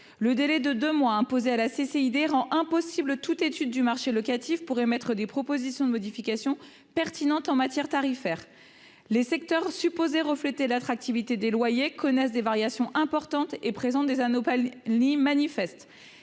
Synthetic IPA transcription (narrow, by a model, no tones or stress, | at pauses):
ləd̪elɛd̪əd̪ømwaɛ̃pozealaseseid̪eʁɑ̃ʔɛ̃pɔsiblət̪ut̪et̪yd̪ːymaʁʃelɔkat̪ifpuʁemɛt̪χəd̪epχɔpozisjɔ̃d̪əmɔd̪ifikʲasjɔ̃ | pɛʁt̪inɑ̃t̪ɑ̃mat̪jɛʁt̪aʁifɛːʁ | lesɛk̚t̪œʁsypozeʁəflet̪elat̪χak̚t̪ivit̪ed̪elwajekʰɔnɛsd̪evaʁjasjɔ̃ʔɛ̃pɔʁt̪ɑ̃t̪epχezɑ̃t̪̚d̪ezanopalimanifɛst̪